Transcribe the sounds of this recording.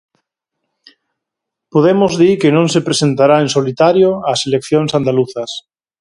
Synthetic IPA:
poðemozðiɾkɪnõŋsepɾesent̪aɾaensolit̪aɾjoaselekθjoŋsand̪aluθɐs

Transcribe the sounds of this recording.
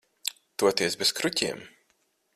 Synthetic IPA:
t̪uɔt̪iɛsbeskɾucʲiɛm

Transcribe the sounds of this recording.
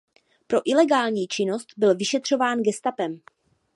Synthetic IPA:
pɾo̞ʔɪlɛɡaːlɲiːt͡ʃɪno̞st̪bɪlvɪʃɛt̪r̝̥o̞vaːnɡɛst̪apɛm

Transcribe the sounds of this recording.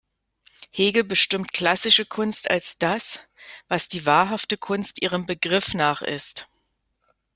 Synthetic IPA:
heːɡl̩bəʃtɪmtkl̥asɪʃəkʰʊnsta̰lsd̥asvasd̥iːvaːɐɦaftəkʰʊnstʔiːʁ̞əmbəɡʁɪfnaːχʔɪ̰st

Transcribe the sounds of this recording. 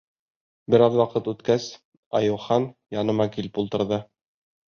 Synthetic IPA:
bɘ̆ɾɑðwɑqɤt̪ʉt̪kæs | ɑ̰jɤ̆wˠχɑnjɑnɤ̆mɑkilpulˠt̪ɤ̆ɾðɤ

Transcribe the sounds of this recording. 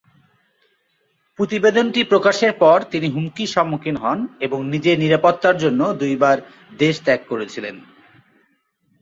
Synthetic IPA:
pɾot̪ibed̪onʈipɾokaʃeɾpɔɾt̪iniɦumkiʃɔmːokʰinɦɔneboŋnid͡ʑeniɾapot̪ːaɾd͡ʑonːod̪ujbaɾ | d̪eʃt̪ɛkːoɾet͡ɕʰilen

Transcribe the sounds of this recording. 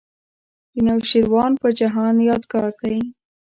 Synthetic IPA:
d̪ənawʃiɾwɑnpəd͡ʒaɦɑnjɑd̪kɑɾk̪ai

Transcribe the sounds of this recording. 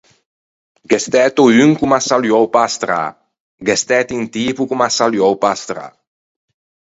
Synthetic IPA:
ɡɛst̪ɛːt̪oyŋkumasaljowpast̪ɾa̰ | ɡɛst̪ɛt̪int̪iːpukumasaljowpast̪ɾa̰

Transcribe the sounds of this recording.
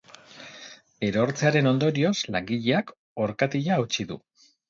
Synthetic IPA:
e̞ɾo̞ɾt͡seaɾe̞no̞nd̪o̞ɾio̞slaŋɡiʎe̞ak | o̞ɾkat̪iʎaːwt͡ʃiðṵ

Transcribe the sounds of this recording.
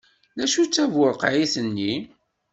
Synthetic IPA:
læʃut͡sːævʊɾqʕiθənːi

